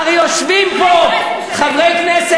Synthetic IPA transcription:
ʁjoʃvimpo | χavʁejknɛs

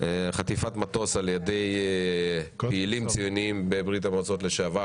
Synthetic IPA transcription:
χat̪ifat̪mat̪o̞saljad̪ej | peilimt͡sijuniimbebʁit̪̬amot͡sot̪leʃeava

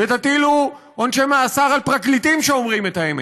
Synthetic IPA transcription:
vet̪at̪ilu | onʃemaːsaʁalpʁaklit̪imʃeomʁimet̪aeme

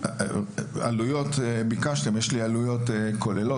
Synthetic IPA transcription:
a̰lujo̞t̪bikaʃt̪emjeʃlialujo̞t̪kole̞lo

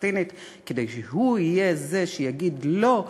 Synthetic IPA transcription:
tinit̪ | ked̪ejʃeɦuijeze̞ʃejaɡid̪lo̞

